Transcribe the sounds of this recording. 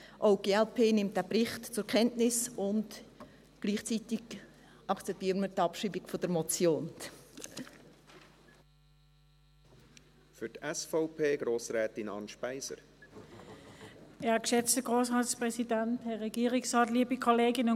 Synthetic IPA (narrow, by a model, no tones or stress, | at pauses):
ʔoʊɡ̥eːɛlpʰeːnɪmt̚d̥æːprɪχtt͡sʊɾkʰɛntnɪsʊnd | ɡ̥liːχt͡sitɪɡ̥ | ʔɑkt͡sɛp̚tiːɾmətɑpʃiːbiɡ̥fɔd̥əɾmɔt͡sjoːn | fʏɾtɛsfɔʊpʰeːɡ̥ɾoːsɾɛːt̪ɪnɑ̰nʃpæɪsə̰ɾ | ʔɛːɐkʃɛt͡stəɡ̥ʁoːsʁɑːtspʁɛsidɛnthɛʁːɛɡiːʁɪksʁɑːtliːəbikʰoleːɡɪnʊn